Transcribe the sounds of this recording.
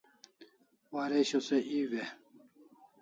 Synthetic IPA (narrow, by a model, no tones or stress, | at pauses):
waːɾeɕoseʔiwe